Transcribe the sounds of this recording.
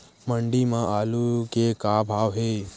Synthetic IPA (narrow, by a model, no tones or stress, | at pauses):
məɳɖimãʔaːlukekabʱaːʋɦe